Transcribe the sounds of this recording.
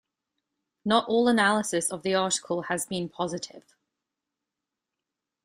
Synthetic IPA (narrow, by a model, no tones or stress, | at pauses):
nətɔːlənalɪsɪsəvðiɑˑtɪ̥kʰəlˠəzbĩnpʰɒzɪtʰɪ̰v̥